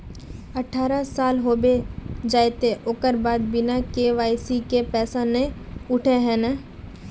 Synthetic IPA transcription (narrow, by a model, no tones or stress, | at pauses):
ɐʈʰaːɾasaːlɦoːbed͡ʒaːjt̪eʔoːkəɾbaːd̪bɪnakeʋaːɪsikepɛːsãnẽʊʈʰeɦɛ̃nɛ